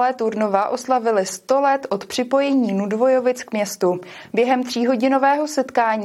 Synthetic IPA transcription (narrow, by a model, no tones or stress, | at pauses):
lɛːt̪uɾnovaʔo̞slavɪlɪst̪o̞lɛt̪ʔo̞t̪pr̝̥ɪpo̞jɛɲiːnudvo̞jo̞vɪt͡skmɲɛst̪ubjɛɦɛmt̪r̝̥iːɦo̞ɟɪno̞vɛːɦo̞sɛt̪kaːɲː